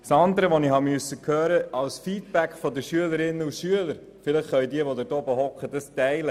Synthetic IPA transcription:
sɑnd̪əɾəʋɔnihɑmyøəsːəkʰhøːɾəɑwsfiːtb̥ækfɔd̪əʃyələɾɪnːəuʃyələɾ | fɪləχːœɥdiəʋɔd̪əɾdɔbəɦɔkχədəstɛɪlə

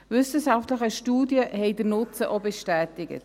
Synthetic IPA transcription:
vʏsəʃaftləχəʃtuːdjəhɛɪdəɾnʊt͡səʔobɛʃtæːtɪɡə̰t

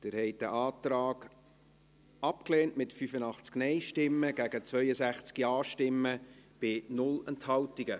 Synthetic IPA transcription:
d̥ɪɾhɛɪt̚dəʔɑːtɾɑːɡ̥ | ɑp̚kleːntmɪtfyfənɑχt͡sknɛɪʃtɪmːəɡ̥æɡət͡svœʏəsæχt͡skiɑːʃtɪmːəb̥ɪnʊlɛnthɑltiɡə

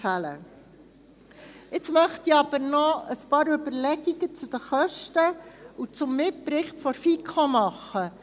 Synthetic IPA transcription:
fælə̰ | ɪt͡smœχtiɑb̥əɾnɔəspɑːɾʉbəɾlɛɡiɡət͡sud̥̪əχœʃtəut͡sʊmːɪpɾɪχtfɔɾfikʰɔmɑχːə

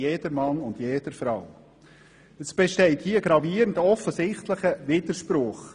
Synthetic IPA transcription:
jeːdəmɑnʊnd̥jeːd̥əɾfɾaw | əsb̥eʃtɛɪthiːəɡɾɑviːəɾntɔfəsɪχtləχəʋɪd̥əʃprʊχ

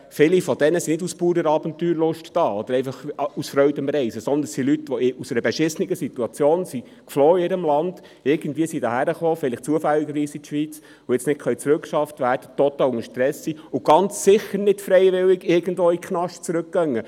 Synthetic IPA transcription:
fɪlifɔd̥̪ɛnəsinɪduspuːɾəɾɑːbənt̪yːɾlʊʃtd̥ɑːɔd̥̪əɾɛɪfɑχusfɾœʏdəmrɛɪsəsɔnd̪ənsilytʋɔusɛɾəbɛʃɪsnɪɡəsit̪uɑt͡sjoːnsi | kfloːiɪɾəmlɑnd̥ | ɪɾɡ̥əndvʋiːəsidɑhæɾəχoːfɪlɪχt͡suəfælːiɡəɾʋiːsit̪ʃʋit͡s | ʊɛt͡snɪt̚kʰχœʏt͡sɾʉkʃɑftʋæːɾd̥ət̪ɔt̪əʊŋəʃtɾɛsːiʊɡ̥ɑnt͡sːɪχəɾnɪtfɾɛɪʋɪlɪɡɪɾɡ̥əndvoːikχnɑʃt͡sɾʉk̚ːɡ̥œŋːə

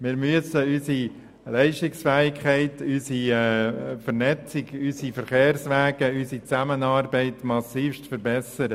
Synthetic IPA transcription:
mɪːɾmyəsəysi | lɛɪʃtɪksfɛːɪkʰχɛɪtysi | fəɾnɛt͡sɪɡysifəɾχeːrsʋɛːɡ̥əysit͡sæmənɑːɾbɛɪtmɑsiːfʃtfəɾbɛsəɾə

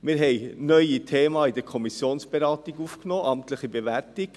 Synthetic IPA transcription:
mɪːɾɦɛɪnœʏitʰeːmɑːid̪ɛkʰɔmisjoːnsb̥eɾɑːtiɡufknoːʔɑmtləχibeʋæltɪɡ

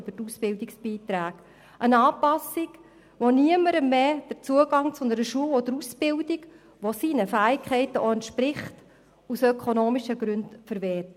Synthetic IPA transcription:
b̥ətusbɪldiksb̥iːtɾæːɡ̥ | ʔənɑːpɑsik | ʋoniəməɾəmeːd̥əɾt͡suəɡɑŋt͡sʊnəɾəʃuːəwodəɾusb̥ɪldiɡ | ʋosinəfæːɪkʰχɛɪtəʔoɛntʃpɾɪχt | usœkʰonoːmiʃəɡɾʉntfəɾvɛːt

